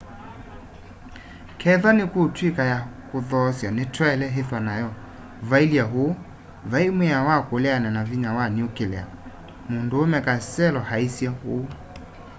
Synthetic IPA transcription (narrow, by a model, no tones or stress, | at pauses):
kʰɛðanɪkotwikajakoðɔsjanetʰwɛɛlɛɦeθanajɔ | vailiaɦo | vaimweawakolɛanɛnaviɲawaniokelɛ̰a̰ | mondoːmɛkasɛlɔhaisjaho